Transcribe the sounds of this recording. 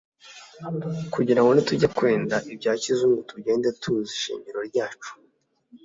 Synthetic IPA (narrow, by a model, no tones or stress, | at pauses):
kuɟiɾaŋɡo̞nituɟakwe̞ːndaʔibɟaːcizumutuɟe̞ːndetʰuziʃḭːɲɟiɾo̞ɾɟaːt͡ʃu̥